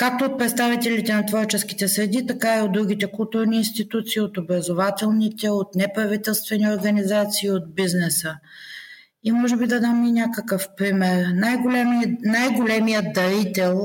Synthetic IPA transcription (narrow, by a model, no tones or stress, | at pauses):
kak̚t̪oot̪̚pɾɛt̪st̪avit̪ɛlit̪ɛnɐt̪vɔɾt͡ʃɛsk̟i̥t̪ɛsɾɛd̪it̪ɐkaiod̪ɾuɡ̟it̪ɛkʊlˠt̪uɾniːnst̪it̪ut̪siːot̪obɾɐzovat̪ɛlˠnit̪ɛot̪nɛpɾɐvit̪ɛlˠst̪vɛnioɾɡɐnizat̪siːot̪̚biznɛsə | imɔʒɛbid̪ɐd̪aminʲakəkəfpɾimɛɾnajɡolɛmnajɡolɛmijət̪d̪ɐɾit̪ɛlˠ